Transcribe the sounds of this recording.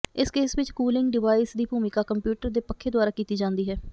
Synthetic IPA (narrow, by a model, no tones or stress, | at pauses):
ɪskeːsʋɪt͡ʃkuːlɪŋɡɖɪʋaːisd̪iːbʱuːmɪkaːkəmpjuːʈəɾd̪eːpəkʰːeːd̪ʊaːɾaːkiːt̪iːd͡ʒãːnd̪iːɦɛː